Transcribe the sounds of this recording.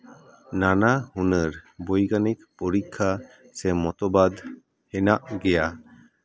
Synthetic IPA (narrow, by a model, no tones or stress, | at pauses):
nanahunəɾbojɡanik̚pɔɾikʰːa | sɛmɔt̪ɔbad̪ | hɛnaʔɡɛja